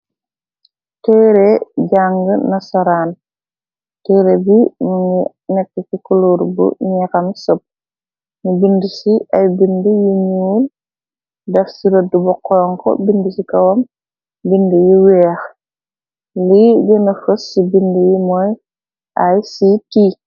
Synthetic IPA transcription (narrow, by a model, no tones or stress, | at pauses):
tɛːɾeɟaŋɡənɐsaɾaːn | tɛɾebinuŋi | nɛkːɛkikuluːɾbṵɲɛkɐmsop̚ | nubindisiajbindujiɲul | dɐfsiɾodːubɔkːɔːŋkɔ̰bindəsikɐwɐm | bindujiwɛːx | liɟɔnɐfəsːibindəjimɔj | ajsiti